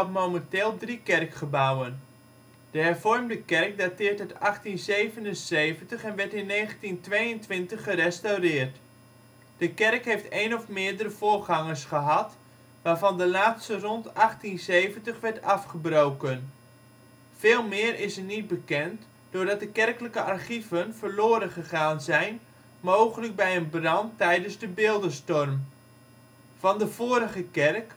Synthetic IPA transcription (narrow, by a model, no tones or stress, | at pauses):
ɔtmowmənteːlˠdrikɛrkχəbawən | d̥əhɛɹv̥ɔrmdəkɛrk̚datɪːrtɦətɑχtinzejvənənseːvəntəχɛnʋɛɹtɪnːeːχəntintʋejəntʋɪntəχːərɛstawrɪːrt | d̥əkɛrkɦeftejnɔfmɪːɹdəɾəv̥ʊːrχɑŋəɹsχəɦɑt | ʋaːrvɑndəlaːtstərɔntɑχtinsejvəntəχʋɛɹtɑfχəbrowkən | v̥ɪːlˠmɪːərɪsənit̚bəkɛnt | d̥ʊːrdɑt̚dəkɛrkələkəʔarχivənvərloːɾənχəχaːnzɛjn | moːwχələk̚bɛjənbrɑntɛjdənzdəbɪlˠdəstɔrm | vɑndəv̥oːɾəɣəkɛrk